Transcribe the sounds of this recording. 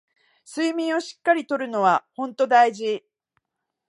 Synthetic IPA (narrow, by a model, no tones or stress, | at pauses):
sɨimʲĩɰ̃o̞ɕi̥kːaɾʲit̪o̞ɾɯ̟no̞βahõ̞nt̪o̞d̪aiʑi